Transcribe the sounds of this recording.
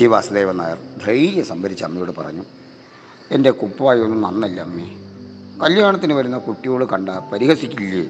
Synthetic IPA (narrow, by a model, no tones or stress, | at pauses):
iʋaːsɐðeːʋɐna̰ːjɐrd̪ʱrɐjijɐsɐmbɐɾit͡ɕːɐɐmːijo̞ːɽɨpɐ̰rɐ̰ɲːu | e̞nde̞kupːɐʋaːjonːɨnɐnːɐlːɐɐmːi | kɐljaːɳɐt̪ːinɨʋɐɾunːɐkuʈːijoːɭɨkɐɳɖaːpɐɾiɦɐsikʲːilːi